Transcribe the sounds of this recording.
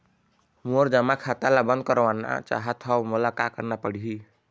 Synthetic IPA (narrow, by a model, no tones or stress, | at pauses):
moɾd͡ʒəmakʰat̪alabə̃nd̪̚kəɾʋana̰t͡ʃa̰ɦət̪ʰɔmulakakəɾnapəɽiɦi